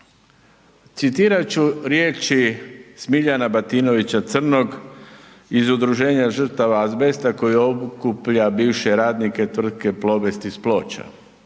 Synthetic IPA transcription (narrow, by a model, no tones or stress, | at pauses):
t̪sit̪iːɾat͡ɕuɾje̞ːt͡ʃismiʎanabat̪ino̞ʋit͡ɕat̪sr̩noɡ | izud̪ɾuʒe̞ːɲaʒr̩t̪aʋaːzbe̞st̪ako̞jiobukupʎabiːʋʃe̞ɾaːd̪nike̞t̪ʋr̩d̪ke̞plˠo̞be̞st̪isplo̞ːt͡ɕa̰